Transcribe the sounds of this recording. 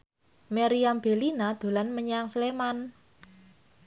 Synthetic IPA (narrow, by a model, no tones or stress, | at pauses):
meɾiamb̥e̤linad̪̥o̤lanməɲəaŋsleman